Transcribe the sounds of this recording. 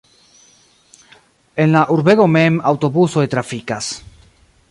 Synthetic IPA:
enlaʔuɾβeɣomemawt̪oβusoet̪ɾafikas

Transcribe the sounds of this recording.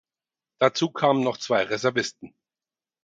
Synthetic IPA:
d̥at͡suːkʰaːmənɔχt͡sv̥aɪʁezɛɐvɪstn̩

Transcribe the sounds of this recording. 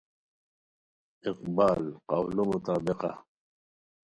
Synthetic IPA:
ɪqbaːlqawlomʊt̪aːbɪqa̰

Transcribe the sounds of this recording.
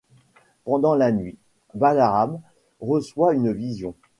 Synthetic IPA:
pɑ̃d̪ɑ̃lanɥi | balaam | ʁəswaynvizjɔ̃

